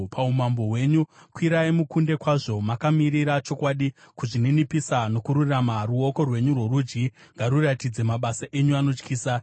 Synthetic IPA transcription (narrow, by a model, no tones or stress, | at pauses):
pʰaumambo̞ɦwe̞ɲukwiɾaimukunde̞kwaʐo̞makamiɾiɾat͡ʃo̞kwaːɗi | kuʐininipisano̞kuɾuramaruo̞ko̞rwe̞ɲurwo̞rud͡ʒɡiŋɡaɾuratid͡ze̞maɓasaʔe̞ɲuano̞t͡ʃkiːsa